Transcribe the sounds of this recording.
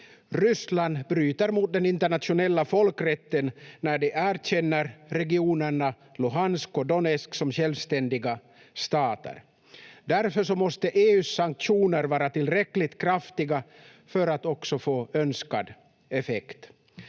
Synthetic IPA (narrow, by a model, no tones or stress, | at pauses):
ɾʏsland̪bɾyːt̪əɾmuːt̪̚d̪ɛnɪnt̪əɳat̪ɧʊnɛlːafɔlkɾɛt̪ːənːæɖɛʔæːɾɕɛnːəɾːɛɡɪuːnəɳa | lʊɦanskɔd̪ɔnɛsksɔmɕɛlvst̪ɛnd̪ɪɡa | st̪ɑːt̪ə̰ɾ | d̪æɾfœʂɔmɔst̪əʔeːʉːsaŋk̚t̪ɧuːnəɾvɑːɾat̪ʰɪlːɾɛkːlɪt̪kʰɾaft̪ɪɡa | fœɾat̪ɔksɔfoːœnskad̪ | ɛfɛkt̪